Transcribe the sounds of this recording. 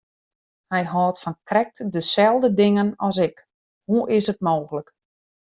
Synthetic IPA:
hɛjɦɔːtfɔnkrɛk̚tdəsɛlˠdədɪŋənɔsɪk | huʔɪsət̚moːɣələk

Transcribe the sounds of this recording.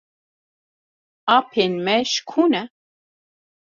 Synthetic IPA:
apʰenmɛʃkʰunɛ

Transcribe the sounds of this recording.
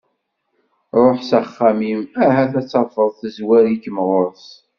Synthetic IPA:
ɾˤoħsæχːæmimæɦæθæt͡sːɑfəðˤθəzwæɾikəmʁoɾθ

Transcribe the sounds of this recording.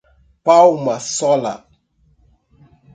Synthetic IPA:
pawmasɔla̰

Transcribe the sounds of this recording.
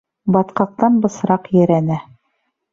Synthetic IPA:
bɑt̪qɑq̚t̪ɑnbɤ̆sɾɑqjæ̆ɾænæ

